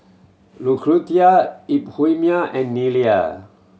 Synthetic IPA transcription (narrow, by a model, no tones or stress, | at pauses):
lukʰɾut̪jaiphujmjaʔɛnːilia̰